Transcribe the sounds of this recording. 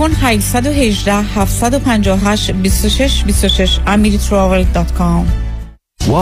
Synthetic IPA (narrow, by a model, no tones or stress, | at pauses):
onhæʃsæd̪oɦe̞ʒd̪æhhæft̪sæd̪opʰænd͡ʒɒːhoɦæʃbist̪oʃeʃbist̪oʃeʃæmiɾit̪ʰɾɒveld̪ɒt̪kʰɑm